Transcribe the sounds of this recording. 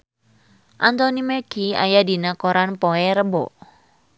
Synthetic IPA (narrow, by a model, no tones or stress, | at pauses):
ʔant̪ɔnimɛɡia̰jadinakɔɾanpɔɛɾəbɔ̰